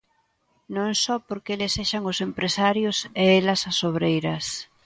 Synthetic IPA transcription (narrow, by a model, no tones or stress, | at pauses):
nõŋsɔpoɾkelɪseʃɐŋʊsempɾesaɾjʊseɛlɐsɐsoβ̞ɾejɾɐs